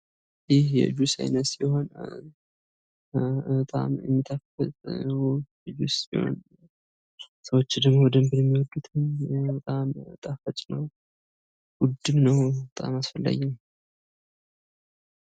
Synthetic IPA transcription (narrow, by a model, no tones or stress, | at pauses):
jɪhjɛ̰d͡ʒusa̰jnət̪siho̞n | t̪ʼa̰mjɛ̰mːit̪ʰafət̪ʼw | ɛd͡ʒusḭho̰n | səwot͡ʃːd̪əɡmowd̪əmbɨɾjɛmːiwɔd̪ːut̪ʰɨnbət̪ʼamt̪ʼafət͡ʃ̪ʼnəw | ɡud̪ːɨmnəwbət̪ʼa̰masfəlːa̰jɛm